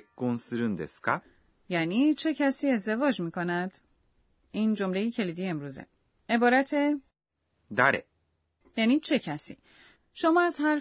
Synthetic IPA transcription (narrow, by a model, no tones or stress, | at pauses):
ɡ̥onsiɾɯnd̪eska | jæːniːt͡ʃʰe̞cʰæsiːe̞zd̪e̞vɒːd͡ʒmiːkonæd̪̥ | iːnd͡ʒo̞mle̞jecʰe̞liːd̪iːjemɾuːzḛ | e̞bɒːɾæt̪ʰe | d̪aɾḛ | jæːniːt͡ʃʰe̞cʰæsḭː | ʃomɒːæzɦæɾ